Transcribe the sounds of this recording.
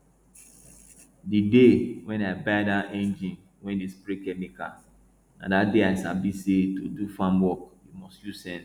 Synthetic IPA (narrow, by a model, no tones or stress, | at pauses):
didewɛ̃naɪbaɪdaɛ̃nd͡ʒĩn | wɛ̃ndispɾekɛmika̰ | na̰dadeaɪsabisetodufãmwɔkimɔstjusɛ̃n